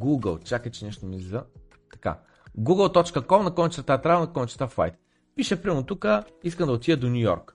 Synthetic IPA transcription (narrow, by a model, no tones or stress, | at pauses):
ɡuɡə̰lˠt͡ʃakət͡ʃɛnɛʃt̪omizɛzɐ | t̪ɐ̥ka̰ | ɡuɡəlˠt̪ɔt͡ʃkəkɔmnɐkɔnit͡ʃt̪t̪at̪ɾanɐkɔnʲt͡ʃt̪aflˠa̰jt̪̚ | piʃɛpɾimot̪ukə | iskəmd̪ɐot̪ijəd̪onʲujɔ̰ɾk